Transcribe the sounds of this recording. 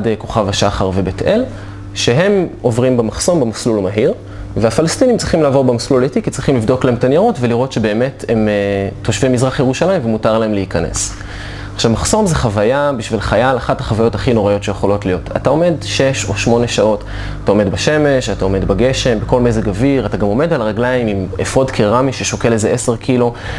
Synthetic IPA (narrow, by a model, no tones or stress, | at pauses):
deko̞χavaʃaχaʁve̞betel | ʃe̞ɦe̞mo̞vʁimbemaχso̞mbemaslulmaɦiʁ | veafalastinimt͡sʁiχimlaːvo̞ʁbemasluletikit͡sʁiχimlivd̪o̞klahemtanjaʁotveliʁo̞tʃe̞be̞ːmetemeːo̞ʃvimːizʁaχjeʁuʃalajimvemutaʁlaemleikanḛs | aχʃavmaχso̞mzeχavajabiʃvilχajalaχathaχavajo̞taχino̞ʁajo̞tʃejeχo̞lo̞tlijo̞tʰatao̞me̞d̪ʃe̞ʃo̞ʃmo̞neʃao̞t | atao̞me̞dbaʃe̞me̞ʃatao̞me̞d̪baɡe̞ʃe̞mbeko̞lmezeɡaviʁataɡamo̞me̞dalʁaɡlaimimefʁo̞dkʰiʁamiʃeʃokelezeʔese̞ʁkʰilo